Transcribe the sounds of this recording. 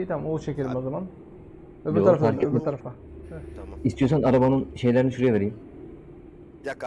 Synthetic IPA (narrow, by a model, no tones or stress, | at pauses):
et̪ʰæmolˠt͡ʃʰeceɾimo̞zaman | vɛbiɾaɾaft̪aɾet̪ʰaɾaft̪a | ist̪ʰijosanaɾabanɯnʃe̞jlʲeɾiniʃuɾejɛve̞ɾijim